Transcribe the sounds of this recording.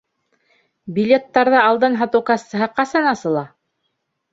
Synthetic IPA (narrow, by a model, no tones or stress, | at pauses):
bʲilʲet̪ːɑɾðɤɑlˠd̪ɤnɦɑt̪ɤwkɑst̪ɤ̆ɦɤqɑsɑnɑsɤ̆lˠɑ